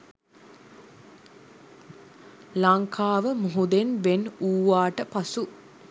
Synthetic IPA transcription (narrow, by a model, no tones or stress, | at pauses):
laŋkʰaːʋəmuɦud̪enbenuːʋaːʈəpasu